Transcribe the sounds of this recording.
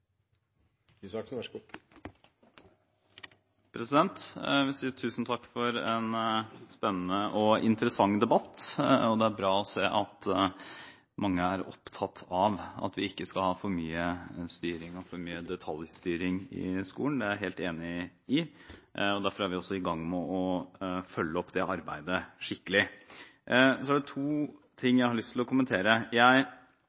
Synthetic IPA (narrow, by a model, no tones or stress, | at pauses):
sɑksɡu | pʰɾɛsɪd̪ɛnt̪ʋɪsiːət̪ʰʉːsn̩t̪ʰɑkːfɔɾɛnspɛnːən̩əʔɔɪ̰nt̪əɾəsɑŋːd̪ɛbɑt̪ːɔd̪ɛæɾbɾɑːɔseːʔɑt̪ | mɑŋːəæɾɔ̰pt̪ʰɑt̪ʰːɑʋɑ̰t̪ʋɪɪkːəskɑlhɑːfɔɾmyːəst̪yːɾɪŋɔfɔɾmyːəd̪ɛt̪ʰɑlˠjst̪yːɾɪŋɪ̰skṵːənd̪ɛæɾɦeːlt̪eːnɪ | ɪ | ɔd̪æɾfɔɾæɾʋɪɔsːɔɪɡɑŋːmɛɔfœlːəɔpːd̪ɛʔɑɾbæ̰ɪd̪əʂɪkːəlɪ | sɔæɖɛt̪ʰuːt̪ʰɪŋːjæɪhɑɾɭʏst̪ʰlɔkʊmənt̪ʰeːɾəjæɪ